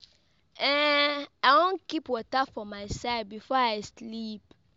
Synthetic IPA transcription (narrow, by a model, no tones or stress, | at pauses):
ɛawɔ̃ŋkipwɔtafɔmaɪsaɪd̚bifɔaɪslip̚